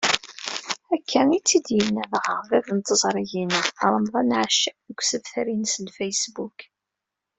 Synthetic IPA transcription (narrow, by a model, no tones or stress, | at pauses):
ækːænit͡sːid̪jənːævʁəʁðævənt̪əzˤɾˤiʝinəɾˤəmðˤɑnʕaʃːðəɡʷsəvθæɾinsənfæjsbuk